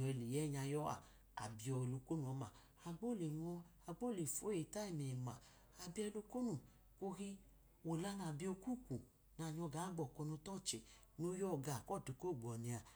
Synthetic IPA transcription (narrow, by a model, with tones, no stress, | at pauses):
ɔ˨ɛ˨le˨jɛ˦˨ɲa˧jɔ˦a̰˨ | a̰˨bi˧ɔ˧e˨lo˧ko˦nũ˦˨ɔ˨˧˦ma˨ | a˧ɡ͡bɔ˦˨le˨ŋɔ˧ | a˨ɡ͡bo˦˨le˨fo˨˦e˨ta˦i˦˨me˨ma˨ | a˨bi˦ɛ˧lo˧ko˦nu˨ | ko˧ɾi˦ | o˨la˧˦na˨bi˧o˧ku˦˨ku˨ | na˨˧˨ɲɔ˧ɡa˨˦ɡ͡bɔ˨kɔ˧nũ˧tɔ˦˨t͡ʃe˨ | nu˧˦jɔ˦˨ɡa˨kɔ˦˨tu˨˦ko˦˨ɡ͡bɔ˨nĩ˧a˨